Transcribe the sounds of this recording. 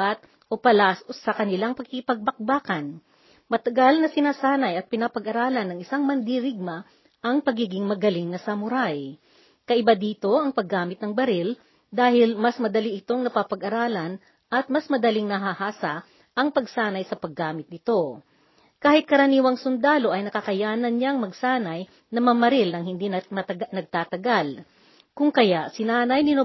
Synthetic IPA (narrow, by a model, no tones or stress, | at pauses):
at̪̚ | ʔo̞pɐlasɐkɐnɪlaŋpɐkɪkɪpɐɡ̚bɐk̚baːkɐn | mɐt̪ɐɡalnɐsɪnaːsaːnɐjɐt̪̚pɪnapɐɡʔɐɾaːlɐnːɐŋɪsaŋmɐnd̪iɾɪɡ̚mɐ | ʔɐŋpɐɡiːɡɪŋmɐɡɐlɪŋnɐsɐmʊɾaj | kɐʔɪbad̪iːt̪o̞ʔɐŋpɐɡːaːmɪt̪̚nɐŋbɐɾɪl | d̪aːhɪlmɐsmɐd̪ɐliʔɪt̪o̞ŋnɐpapɐɡʔɐɾaːlɐn | ʔɐt̪̚mɐsmɐd̪ɐlɪŋnɐɦahaːsa | ʔɐŋpɐɡsaːnɐjsɐpɐɡːaːmɪt̪̚nɪt̪o̞ | kaːhɪt̪̚kɐɾɐniːwɐŋsʊnd̪aːlo̞ʔɐjnɐkɐkɐjaːnɐnɲaŋmɐɡsaːnɐj | nɐmɐmɐɾɪlnɐŋhɪnd̪inɐɡ̚t̪aːt̪ɐɡal | kʊŋkɐjaʔsɪnaːnɐjnɪno